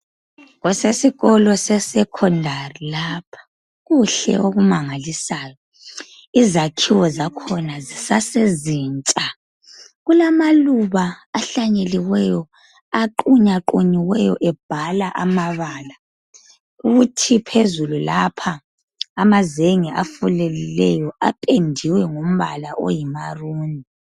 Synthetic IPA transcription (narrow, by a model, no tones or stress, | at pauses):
ɣɔsesiɣɔlɔsɛsɛkʰɔndʱarilaːpʰḁ | ɣuɬɛ̰ʔoɣumaŋalisaːjɔ | izakʰiwɔzakʰɔnazisaseziːnt͡ʃʼa | ɣulamaluβaːɬaɲeliwɛjɔ | aǃuɲaǃoɲiwɛjɔ̰ʔɛb̥̚ʱalaʔamaβaːla | uɣutʰipʰezululapʰaː | mazeŋiʔafulɛlilɛjɔa̰pʼendʱiwɛŋom̩βalaʔo̰jimaruːni